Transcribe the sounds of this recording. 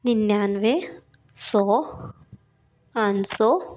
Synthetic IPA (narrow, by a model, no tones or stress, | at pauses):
ninjaːnʋe | sɔ | ansɔ